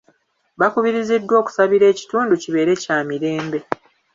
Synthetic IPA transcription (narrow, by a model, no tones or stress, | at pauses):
βakuβiɾizidːwo̞ːku̥saβiɾe̞ːci̥tuːnduciβe̞ːɾe̞caːmiɾe̞ːmbe̞